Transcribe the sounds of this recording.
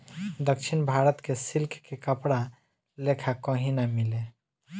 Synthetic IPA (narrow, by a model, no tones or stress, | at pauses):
d̪əkʃʰinbʱaɾət̪kesilkʰkekəpɽa | lekʰakə̃ɦĩnamile